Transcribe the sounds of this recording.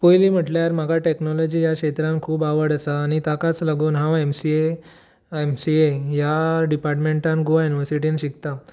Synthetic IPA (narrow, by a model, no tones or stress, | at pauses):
pojliːm̤əʈljaɾm̤aɡʱaʈeknɔlɔd͡ʑiːjakɕet̪ɾãnkʰuːbaʋəɽəsaːñit̪akat͡slaɡuːnɦãwemsie | emsiejaɖipaɾʈmeɳʈãnɡoajuniʋəɾsiʈ̬inɕikt̪a